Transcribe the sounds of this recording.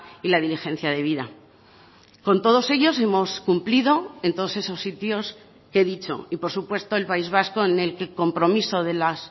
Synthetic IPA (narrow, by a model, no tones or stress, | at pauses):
ilaðilixẽ̞n̟θjaðe̞β̞iða | ko̞nt̪o̞ð̞o̞se̞ʝo̞se̞mo̞skumpliðo̞e̞nt̪o̞ð̞o̞se̞so̞sːit̪jo̞s | ke̞ðit͡ʃo̞̰ipo̞ɾsupwe̞st̪o̞e̞lpaizβ̞asko̞ene̞lkeko̞mpɾo̞miso̞ðe̞las